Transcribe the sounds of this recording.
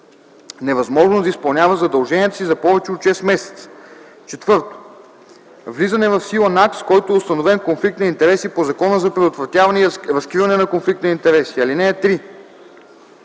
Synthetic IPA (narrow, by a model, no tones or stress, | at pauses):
nɛvɐzmɔʒnod̪ɐispɐlˠnʲjavəzɐd̪ɐlˠʒɛniət̪əsizɐpɔvɛt͡ʃɛot̪ʃɛsmɛsɛ̥t̪sə̥ | t͡ʃɛt̪vɤɾt̪o̥ | vlizɐnɛvɐfsilˠɐnakskɔjt̪oɛʊst̪ɐnovɛnkonflik̚t̪nɐint̪ɛɾɛsipozɐkɔnəzɐpɾɛd̪ot̪vɾɐt̪ʲjavɐnɛiɾɐskɾivɐnɛnɐkonflik̚t̪nɐint̪ɛɾɛsiɐlinɛːt̪ɾi